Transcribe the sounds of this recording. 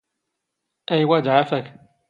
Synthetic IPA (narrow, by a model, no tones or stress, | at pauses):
ʔæjwad͡ʒʕafak